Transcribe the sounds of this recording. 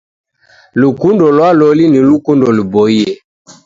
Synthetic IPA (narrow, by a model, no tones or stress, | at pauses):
lukundɔlwalɔlinilukundɔlubɔiɛ